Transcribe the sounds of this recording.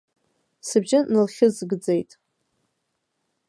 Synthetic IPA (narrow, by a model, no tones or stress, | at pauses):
sɨbd͡ʒɪnɨlχʲɨzɡd͡ze̞jtʼ